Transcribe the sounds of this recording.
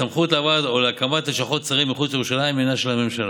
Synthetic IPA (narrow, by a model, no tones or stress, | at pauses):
amχutlavad̪o̞leakamat̪eʃaχo̞t̚t͡saʁimːiχut͡sajeʁuʃalaimenaʃelame̞mʃal